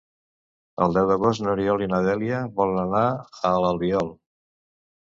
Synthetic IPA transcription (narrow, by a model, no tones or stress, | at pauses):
ə̰lˠd̪ɛwd̪əɣost̪nəɾiɔlinəðɛliəβɔlənənaələlˠβiɔlˠ